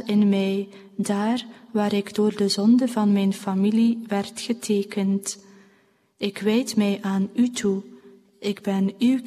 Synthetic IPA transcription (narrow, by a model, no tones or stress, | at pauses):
ɪnmɛj | daːrʋaːɾɪɡdoːrdəzɔndəvɑnmɛjnfamiliʋɛrtxətʰeːkənt | ɪkʋɛjtmɛjʔaːnytʰu | ʔɪɡbɛny